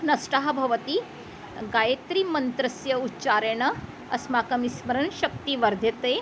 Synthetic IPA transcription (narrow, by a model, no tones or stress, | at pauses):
nɐsʈaɦɐbʱɐʋət̪i | ɡajet̪ɾimɐnt̪ɾɐsjɐutːt͡ʃaɾeɳ̃ɐ | ɐsmaːkɐmismɐɾəɳʃɐk̚t̪iʋɐɾd̪ʱjɐt̪e